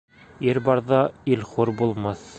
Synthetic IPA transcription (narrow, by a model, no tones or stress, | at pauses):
iɾbɑɾðɑilχuɾbulˠmɑθ